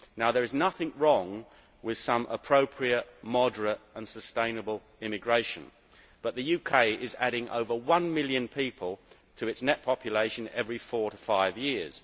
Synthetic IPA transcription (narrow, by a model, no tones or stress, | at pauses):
naʊðə˞ɨznʌθɪ̃ŋɹɔ̃ŋ | wɪð̥sʌ̃mʔə̰pʰɹ̥oʊpʰɹiɨt̚mɑdə˞əɾə̃nsəstẽɪ̃nəbəlˠ | ɪ̃mɨɡɹeɪʃɨ̰̃n | b̥ʌʔ̪̚ðɨjʉkʰeɪʔɪzæɾɪ̃ŋʔo̰ʊvəwʌ̃nmɪlˠjɨ̃npʰipʰəlˠ | tʰɨɨtsnɛt̚pʰɑpʰjɨleɪʃɨ̃nɛvɹifɔɹɾəfaɪvjɪɹz̥